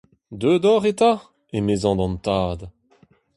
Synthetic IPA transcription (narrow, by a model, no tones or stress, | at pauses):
d̪ød̪ɔʁet̪a | emeːzɑ̃d̪ɑ̃nt̪aːd̪